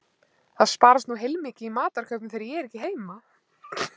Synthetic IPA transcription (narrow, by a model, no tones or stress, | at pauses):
θaðspaːɾast̪nuɦejlmicɪimaːt̪aɾ̥kʰœpnɪmθejɾɪjɛɛɾɛhcɪɦeːjma